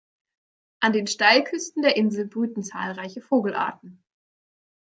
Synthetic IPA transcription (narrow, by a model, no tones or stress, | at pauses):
ʔandeːnʃtaɪlkʰʏstn̩deːɐʔɪnzl̩bʁyːtn̩t͡sa̰ːlʁaɪçəfoːɡl̩ʔa̰ɐtn̩